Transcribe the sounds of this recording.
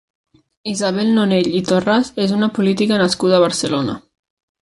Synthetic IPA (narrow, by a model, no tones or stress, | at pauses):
izaβ̞ɛlˠnoneʎit̪orazezunəpulit̪ikənəskuð̞əβ̞əɾsəlonə̰